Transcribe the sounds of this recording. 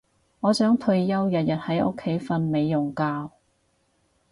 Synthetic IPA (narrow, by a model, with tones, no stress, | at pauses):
ŋɔː˨˧sœː˨˥ŋt̪ʰɵ˧ɥjɐ˥wjɐ˨t̚jɐ˨t̚hɐ˨˥jʔʊ˥kʰːe˨˥jfɐ˧nme˨˧jːʊ˨˩ŋkaː˧w